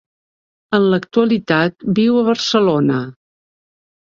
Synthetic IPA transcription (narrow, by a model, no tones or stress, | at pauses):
ənlək̚t̪uəlit̪at̪̚biwəβərsəlonə